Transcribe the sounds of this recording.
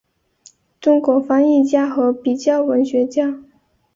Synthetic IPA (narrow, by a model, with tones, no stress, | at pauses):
ʈ͡ʂʊ˥ŋkwɔ˧˥fɑ˥ŋi˥˩t͡ɕja˥xɤ˧˥pi˨˩t͡ɕjɑ˥˩ʊwə˧˥nɕɥɛ˧˥t͡ɕja˥